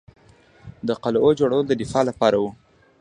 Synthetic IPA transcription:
d̪əqalod͡ʒoɽawəlod̪əd̪ɪfɑlapɑɾawu

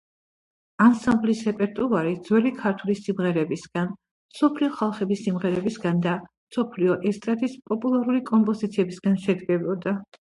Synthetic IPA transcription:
ansamblisɾɛpʼɛɾt̪ʼuaɾid̪z̥wɛlikʰaɾt̪ʰulisimʁɛɾɛbisɡan | msɔpʰliɔχalˠχɛbisimʁɛɾɛbisɡand̪amsɔpʰliɔʔɛst̪ʼɾat̪ʼispʼɔpʼulˠaɾulikʼɔmpʼɔzit̪sʰiɛbisɡanʃɛd̪ɡɛbɔd̪a

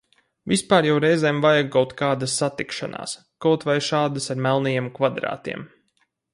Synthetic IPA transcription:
vʲispaːɾjawɾɛjzɛːmvajaɡːawt̪kaːd̪asːat̪ikʃanʔa̰ːs | kawt̪vajʃaːd̪asaɾmɛlˠnajemkvad̪ɾa̰ːt̪ḭɛm

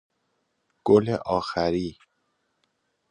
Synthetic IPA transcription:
ɡ̥oleʔɒːxæɾiː

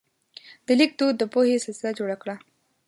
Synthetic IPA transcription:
d̪̥əlik̚d̪od̪̚ːəpohesalsɪlad͡ʒoɽakɽa

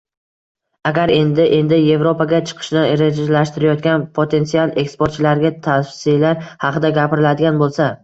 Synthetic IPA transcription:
aɡʲaɾe̞nd̪ɪʔe̞nd̪ɪje̞vɾo̞paɡʲat͡ʃʰɨ̥qʰɨ̥ʃnɪɪɾed͡ʒalaʃt̪ɪɾɪjɒt̪̚ɡʲanpʰot̪ʰe̞nt̪sialˠe̞kspoɾt̪̚t͡ʃʰɪlaɾɡʲat̪ʰafsɪlaɾhɑqɨd̪aɡʲapɪɾɪlad̪ɪɡʲanbolˠsa

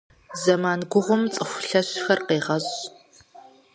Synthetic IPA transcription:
zɐmaːnɡʷʊʁʷʊmt͡sʼɨxʷɬɐɕxɐrqeːʁɐɕ

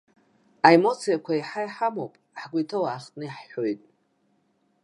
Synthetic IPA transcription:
aemo̞t͡sʰijakʷʰaiħajħamopʼ | ħɡʷitʰawaːχtʼnɨjħħo̞jtʼ

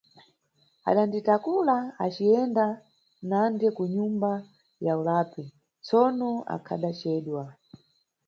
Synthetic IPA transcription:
a̰ɗanditakulaat͡ʃiɛnda | nandɛkuɲumba | jaulaːpi | t͡sɔnɔa̰kʰa̰ɗat͡ʃɛːɗwa

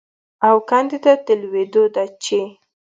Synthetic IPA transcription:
awkand̪id̪at̪əlwed̪od̪at͡ʃe

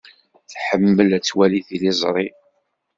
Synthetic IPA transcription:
θħəmːəlæt͡sːwæliθilizˤɾˤi

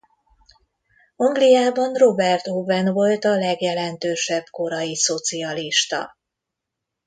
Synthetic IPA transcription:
ɒŋɡlijaːbɒnro̞bɛrt̪ovɛnvo̞lt̪ɒlɛɡjɛlɛnt̪øːʃɛbko̞ɾɒjiso̞t̪siɒliʃt̪ɒ̰

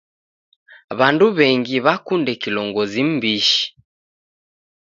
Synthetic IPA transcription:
βanduβɛŋɡiβakundɛkilɔŋɡɔzim̩biʃi̥

